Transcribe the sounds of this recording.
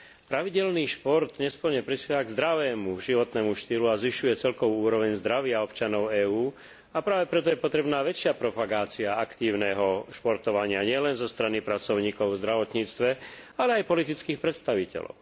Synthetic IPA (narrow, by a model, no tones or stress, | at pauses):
pɾaʋiɟɛlniːʃpɔɾt̪ɲɛspʊɔɾɲɛpɾispɛʋaɡzd̪ɾaʋɛːmuʒiʋɔt̪nɛːmuʃt̪iːluazʋiʃujɛt͡sɛlkɔʋuuːɾɔʋɛɲzd̪ɾaʋɪaɔpt͡ʃanɔʊɛːuː | apɾaːʋɛpɾɛt̪ɔjɛpɔt̪ɾɛbnaːʋɛt͡ʃɪapɾɔpaɡaːt͡siaakt̪iːʊnɛːɦɔʃpɔɾt̪ɔʋaɲɪaɲɪɛlɛnzɔst̪ɾanipɾat͡sɔʊɲiːkɔʊvzd̪ɾaʋɔt̪ɲiːt͡st̪ʋɛalɛajpɔlit̪it͡skiːxpɾɛt̪st̪aʋicɛ̰lɔ̰ʊ